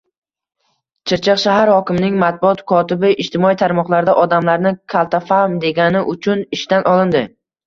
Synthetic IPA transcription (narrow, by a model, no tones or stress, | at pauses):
t͡ʃʰɪɾt͡ʃʰɨqʃaɦaɾhɒkʲɪmnɪŋmat̪̚bʊɒt̪kʰɒt̪ɪbɪʔɪʃt̪ɪmɒit̪ʰaɾmɒqlˠaɾd̪aʔɒd̪amlaɾnɪkʰalˠt̪ʰafamd̪e̞ɡʲanɪʔʊt͡ʃʰʊnɪʃt̪anʔɒlˠɪnd̪ɪ